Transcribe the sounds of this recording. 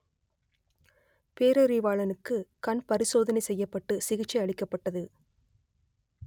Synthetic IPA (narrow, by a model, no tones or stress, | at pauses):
peːɾɐɾiʋaːɭɐnɯkːɯkɐnpɐɾɪsoːðɐnɐɪsɛjːɐpːɐʈːɯsɪɣɪt͡ʃːɐɐɭɪkːɐpːɐʈːɐðɯ